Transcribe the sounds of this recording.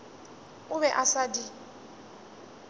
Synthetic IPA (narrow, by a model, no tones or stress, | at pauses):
ʊβɛʔasadi